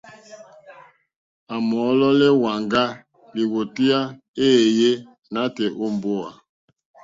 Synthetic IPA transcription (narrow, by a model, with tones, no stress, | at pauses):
a˨mɔ˨˦lɔ˦lɛ˦wa˨ŋɡa˦ | li˨wo˨ti˦a˦ | eː˦˨je˦ | na˦tɛ˨ʔo˦mbo˦a̰˨